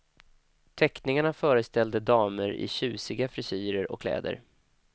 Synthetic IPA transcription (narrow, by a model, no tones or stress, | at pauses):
t̪ʰɛknɪŋaɳafœːɾəst̪ɛld̪əd̪ɑːməɾɪ̰ɕʉ̟ːsɪɡafɾɪsyːɾəɾɔ̰kʰlɛ̰ːd̪ə̰ɾ